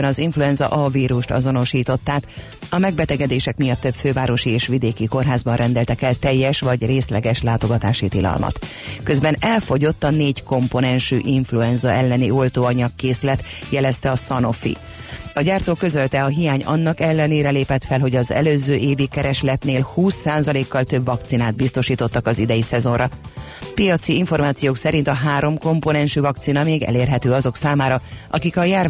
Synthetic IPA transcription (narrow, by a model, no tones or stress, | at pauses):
nɒziɱfluɛnzɒ̰ʔɒviːɾuʃt̪ɒ̰zo̞no̞ʃiːt̪o̞t̪ːaːk̪ | ɒmɛɡ̚bɛt̪ɛɡɛd̪eːʃɛkmijɒt̪ːø̞pføːvaːɾo̞ʃieːʃʋid̪eːkiko̞rɦaːzbɒnrʔɛnd̪ɛlt̪ɛkɛlt̪ɛjːɛʃʋɒɟreːslɛɡɛʃlaːt̪o̞ɡɒt̪aːʃit̪ilɒ̰lmʔɒ̰t̪ | kø̞zbɛnɛlfo̞ɟo̞t̪ːɒneːɟko̞mpo̞nɛnʃyʔiɱfluɛnzɒɛlːɛniolt̪oːɒɲɒkːeːsylɛt̪jɛlɛst̪ɛɒsɒno̞̰fḭ | ɒɟaːrt̪oːkːø̞zø̞lt̪ɛɒɦijaːɲɒ̰nːɒkɛlːɛneːɾɛleːpɛt̪fɛlɦo̞ɟɒzɛ̰løːzøːʔeːvikːɛɾɛʃlɛt̪neːlhuːsːaːzɒleːkːɒlt̪ø̞bvɒk̚t̪sinaːd̪̚bist̪o̞ʃiːt̪o̞t̪ːɒkɒzid̪ɛjisɛzo̞nrɒ | pijɒt̪siiɱfo̞rmaːt̪sijoːksɛɾint̪ɒɦaːɾo̞mko̞mpo̞nɛnʃyvɒk̚t̪sinɒmeːɡɛ̰leːrɦɛt̪øːɒzo̞ksaːmaːɾɒʔɒ̰kikɒjaːr